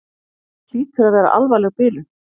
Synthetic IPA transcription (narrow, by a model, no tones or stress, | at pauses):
t̪iːt̪ʰɪɾaðvɛːɾa̰ʔa̰lvajlɛɣpɪːlʏ